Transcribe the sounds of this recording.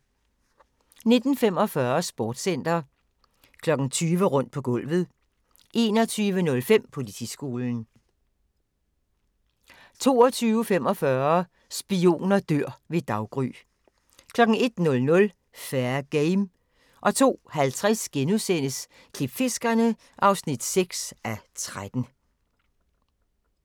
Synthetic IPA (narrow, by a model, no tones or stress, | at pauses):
ne̝d̥n̩fem̰ɒ̽fɶɐsb̥ɒːd̥sen̰d̥ɐ | kʰlɒ̽ɡ̥ŋ̩t͡sʰyːʋəʁɔ̽n̰d̥̚pʰɒ̽ɡ̥ɔ̽l̰ʋð̞̩ˠ | ʔe̝̰ːnɒt͡sʰyːʋənɔ̽lfem̰pʰo̝lit͡sʰḭsɡ̥o̝ːln̩ | t͡sʰo̝̰ːɒt͡sʰyːʊəfem̰ɒ̽fɶɐ | sb̥io̝̰ːnɐd̥øɐ̰ʋe̝d̥ɑ̈ʊɡ̥ʁy̰ː | kʰlɒ̽ɡ̥ŋ̩e̝d̥nɔ̽lnɔ̽l | fæɐɡ̥eɪm | ʔɒ̽t͡sʰo̝̰ːhælt͡sʰʁasɡ̥enuðˠsen̰əs | kʰlib̥fe̝sɡ̥ɐnə | ʔɑ̈ʊsnid̥seɡ̥sæt͡sʰʁad̥n̩